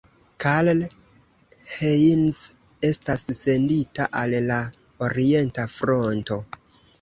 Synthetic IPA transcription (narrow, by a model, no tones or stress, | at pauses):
kall | hens | e̞stasːe̞ndita̰ʔalla | oɾie̞ntafɾo̞nto̞